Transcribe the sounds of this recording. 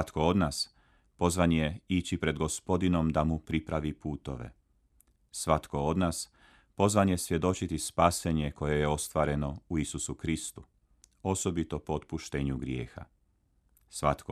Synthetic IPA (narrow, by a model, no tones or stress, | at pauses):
at̪koo̞d̪naːs | po̞zʋanje̞it͡ɕipɾe̞d̪ɡo̞spo̞d̪ino̞md̪amupɾipɾaʋipuːt̪o̞̰ʋḛ | sʋat̪ko̞o̞d̪naːs | po̞zʋanje̞sʋje̞d̪o̞t͡ɕit̪ispaːse̞ɲe̞ko̞je̞je̞o̞st̪ʋaːɾe̞no̞uisusukɾist̪u | o̞so̞bit̪o̞poot̪̚puʃt̪e̞ːɲuɡɾje̞̰ːxa̰ | sʋat̪ko